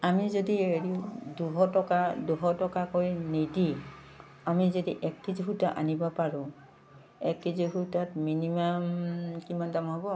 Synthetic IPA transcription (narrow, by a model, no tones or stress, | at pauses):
amizodieɹiʊduɦɔtɔkaduɦɔtɔkakojnidi | amizodiʔɛkːiziɦutaʔa̰nibɔpaɹʊ̃ | ɛkːiziɦutatminimamkimandamɦɔbɔ